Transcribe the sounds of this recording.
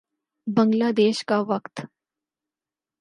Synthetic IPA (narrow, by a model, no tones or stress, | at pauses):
bəŋɡlad̪eʃkaʋəkt̪